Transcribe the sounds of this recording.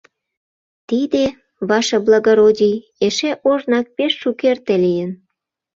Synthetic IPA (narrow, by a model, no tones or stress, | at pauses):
t̪id̪e | βɑʃɤ̆blˠɑɣoɾodʲij | eʃeʔoʒnɑk̚peʃːukert̪elijən